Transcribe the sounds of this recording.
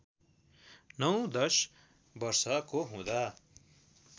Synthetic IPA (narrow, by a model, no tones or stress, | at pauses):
nʌw̃d̪ʌs | bʌrsʌkoɦũd̪a